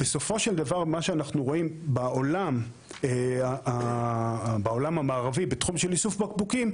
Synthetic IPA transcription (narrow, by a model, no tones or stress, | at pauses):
b̥e̞so̞fo̞ʃeld̪avaʁmaʃeanaχnuʁo̞imbaolam | aa | baolamhamaːʁavibet̪χumʃelisufbakbukim